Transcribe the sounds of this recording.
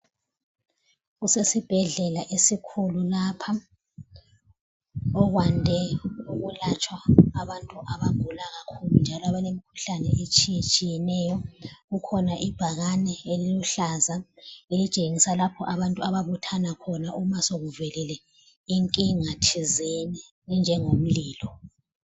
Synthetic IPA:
ɣusesib̥ʱɛɮɛlaʔesikʰululaːpʰa | ɔɣwandʱɛuɣulat͡ʃʰʼwaaβantʼuʔaβab̥ʱulaɣakʰulund͡ʒʱalɔaβalemikʰu̥ɬanɛet͡ʃʼijt͡ʃʼijɛnɛjɔɣukʰɔnaʔib̥ʱaɣanɛeliluɬazaelit͡ʃʼeŋisalapʰɔʔaβantʼuaβaβutʰanakʰɔnaʔumasoɣuvɛlɛlɛ | iŋkʼiŋatʰizɛnɛ | nd͡ʒʱɛŋom̩liːlɔ

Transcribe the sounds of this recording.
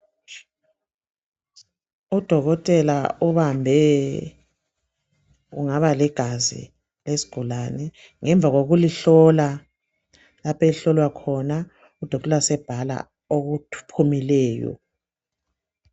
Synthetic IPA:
ud̥ʱɔɣɔtʼɛlauβambʱɛ | uŋaβalɛɡ̥ʱazḭ | lesi̥ɡ̥ʱulanɛ | ŋɛɱb̪vʱaɣoɣuliɬɔla | lapʰeliɬɔlwakʰɔna | ud̥ʱɔɔtʼɛlasɛb̥ʱala̰ | oɣutʰu̥pʰumilɛːjɔ̰

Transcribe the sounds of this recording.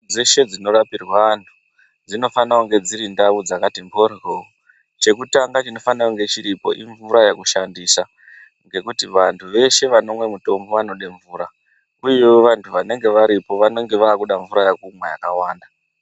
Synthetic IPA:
d͡zeʃe̞d͡zino̞ɾapirwantʰu̥ | d͡zino̞fanauŋɡe̞d͡ziɾindaud͡zakatimbʱorro | t͡ʃe̞kutaŋɡat͡ʃino̞fanawoŋɡe̞t͡ʃiɾipo̞ʔiɱvuɾajakuʃandisa | ŋɡe̞kutiʋantʰuʋe̞ʃe̞ʋano̞mwe̞muto̞mbo̞ʋano̞ɗeɱvuːɾa | kuioʋantʰuʋane̞ŋɡe̞ʋaɾipo̞ʋano̞ŋɡe̞ʋaːkuɗaɱvuɾajakumwaja̰kawaːnda

